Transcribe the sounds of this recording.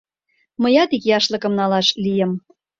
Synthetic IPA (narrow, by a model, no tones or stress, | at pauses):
məjɑt̪ikjɑʃlɤ̆kə̆mnɑlɑʃlijə̆m